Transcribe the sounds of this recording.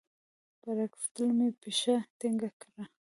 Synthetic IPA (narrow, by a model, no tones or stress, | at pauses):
paɾakft̪əlmepiʃat̪iŋɡakɾa